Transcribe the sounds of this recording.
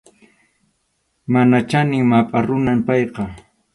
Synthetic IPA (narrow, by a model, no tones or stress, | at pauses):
manat͡ʃanɪŋmapʼaɾʊnampɑjqɑ